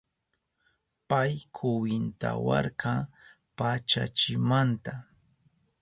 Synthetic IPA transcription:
pajkʰʊwɪnt̪a̰wɑ̰ɾkɑ | pat͡ʃa̰t͡ʃɪmant̪a

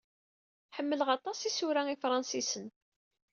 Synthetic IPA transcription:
ħəmːələʁɑt̪ˤɑsisʊɾæifɾˤɑnsisən

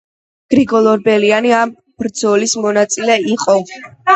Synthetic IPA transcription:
ɡ̥ɾiɡɔlˠɔɾbɛlianiam | b̥ɾd̪zɔlismɔnat̪sʼilɛiqʼɔ

